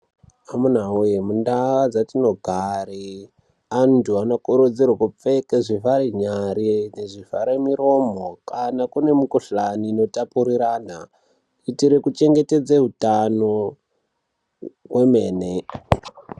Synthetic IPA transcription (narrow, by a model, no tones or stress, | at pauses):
amunaujemundaʋad͡zatino̞ɡʱari | antʰuanokoɾud͡zirwakup͡fekeʐivaɾiɲaɾineʐifaɾemiɾo̞mokanakune̞mukuɬaniːno̞tapuɾiɾaːna | itiɾekut͡ʃe̞ŋɡe̞te̞d͡zeɦutano | we̞me̞ːne